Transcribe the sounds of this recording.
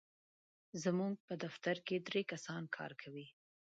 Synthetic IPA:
zəmuɡ̚pəd̪aft̪aɾked̪ɾekasɑnkʰɑ̰ɾkʰawi

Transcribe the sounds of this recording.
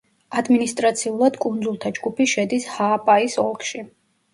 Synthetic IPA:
ad̪minist̪ʼɾat̪sʰiulˠad̪̥kʼund̪zulˠt̪ʰad͡ʒɡupʰiʃɛd̪ishaːpʼaisɔlˠkʼʃi

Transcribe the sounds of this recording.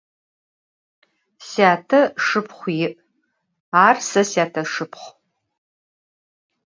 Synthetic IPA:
sjaːtʰɐʂɨpʰχʷjɪʔ | aːrsɐsjaːtʰɐʂɨpʰχʷ

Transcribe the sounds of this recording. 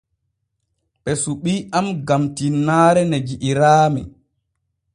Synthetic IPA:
ɓɛsuɓiːamɡamtinːaːɾɛned͡ʒiʔːɾaːmɛ̰

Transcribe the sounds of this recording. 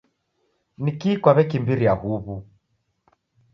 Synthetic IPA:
nikiːkwaβɛkimbiɾiahuβu

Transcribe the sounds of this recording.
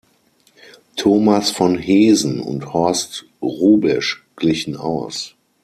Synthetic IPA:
tʰoːmasfɔnheːzn̩ʊ̰nthɔɐst | ʁuːbɛʃɡ̥lɪçn̩a̰ʊs

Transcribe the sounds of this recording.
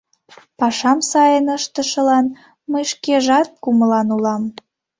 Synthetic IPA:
pɑʃɑmsɑjənəʃt̪əʃəlɑn | məjʃkeʒɑt̪̚kuməlɑnulɑm

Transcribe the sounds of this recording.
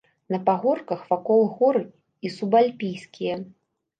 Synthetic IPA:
nɐpaɣɔrkɐxvakɔlˠɨɣɔɾɨ | isubalʲpʲijskʲijɐ

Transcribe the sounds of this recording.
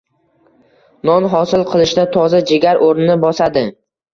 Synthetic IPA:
nɒnɦɒsɪlˠqʰɨlˠɪʃd̪at̪ʰɒzad͡ʒeɡʲaɾʔoɾnɪnɪbɒsad̪ɪ

